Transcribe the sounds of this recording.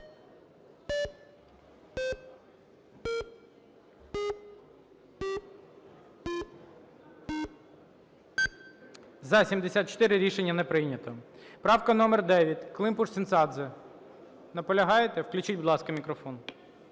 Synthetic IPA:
zɐsʲimd̪esʲat̪̚t͡ʃɔ̥t̪ɪɾɪɾʲiʃenʲːɐnɛpɾɪnʲɐt̪ɔpɾɑwkɐnɔmɛrd̪ɛʋʲjɐtʲklˠɪmpuʂsʲint̪sɑd̪zɛ | nɐpɔlʲɐɦɑjet̪ɛwklʲʉt͡ʃid̚ʲbʊd̪lˠɑskɐmʲikɾɔfɔn

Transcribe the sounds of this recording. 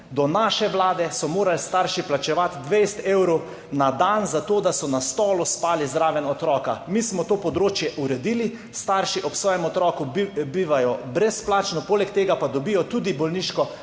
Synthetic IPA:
d̪ɔnaːʃɛʋlaːd̪ɛsɔmoːɾalst̪aɾʃiplat͡ʃɛʋat̪d̪ʋejst̪ewɾow | nad̪anzat̪oːd̪asɔnast̪ɔːluspaːlizd̪ɾaːʋɛnɔt̪ɾɔːkamismɔt̪oːpɔd̪ɾoːt͡ʃjɛʔuɾɛd̪iːli | st̪aɾʃiʔɔpsʋɔːjɛmɔt̪ɾɔːkubiːʋajɔbɾɛsplaːt͡ʃnɔpoːlɛkt̪eːɡapad̪ɔbijɔt̪uːd̪ibɔlniʃkɔ

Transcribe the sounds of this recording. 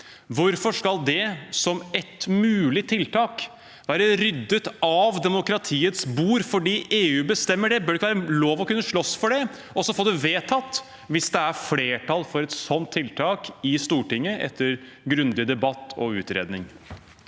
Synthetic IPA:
ʋʊɾfɔʂkɑld̪ɛsɔmɛt̪mʉːlɪt̪ʰɪlt̪ʰɑːk | ʋæːɾəɾʏd̪ːət̪ɑʋd̪ɛmʊkɾɑt̪ʰiːət̪sbuːɾfɔɖiːʔeːʉːbəst̪ɛmːəɖɛbœːɖɛɪkːəʋæːɾəloːʋɔkʉnːəʂɭɔsfɔɖɛ | ɔsɔfoːd̪ɛʋeːt̪ʰɑt̪ː | ʋɪsd̪ɛæɾfleːʈʰɑlfɔɾɛt̪sɔnt̪ʰːɪlt̪ʰɑːkɪst̪uːʈɪŋːəʔɛ̰t̪ʰːəɾ | ɡɾʉnd̪ɪd̪ɛbɑt̪ʰːɔ̰ʉːt̪ɾḛːd̪nɪŋ

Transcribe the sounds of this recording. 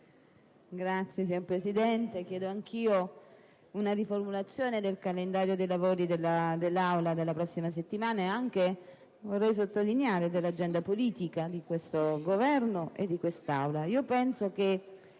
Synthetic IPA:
ɡɾat̪sːjes̬iɲoɾpɾesid̪ɛnt̪ek̟jɛːd̪oaŋk̟iːo | unaɾiformulat̪sːjoːned̪elkalend̪aːɾjod̪ejlavoːɾid̪elːad̪elːawlad̪elːapɾɔsːimas̬et̪ːimaːnaeaŋk̟e | vorːɛjs̬ot̪ːolineaːɾed̪elːad͡ʒːɛnd̪apoliːt̪ikad̪ikwest̪oɡovɛrnoʔed̪ːikwest̪awlaiːopɛnsoke

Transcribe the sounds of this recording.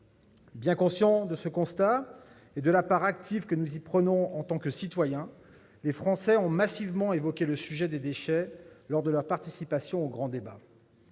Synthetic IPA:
bjɛ̃kɔ̃sjɑ̃d̪əsəkɔ̃st̪a | ed̪əlapaʁakt̪ivkənuzipχənɔ̃ɑ̃t̪ɑ̃kəsit̪wajɛ̃ | lefχɑ̃sɛɔ̃masivmɑ̃evɔkʲeləsyʒɛd̪ed̪eʃɛlɔʁd̪əlœʁpaʁt̪isipasjɔ̃oɡʁɑ̃d̪eba̰

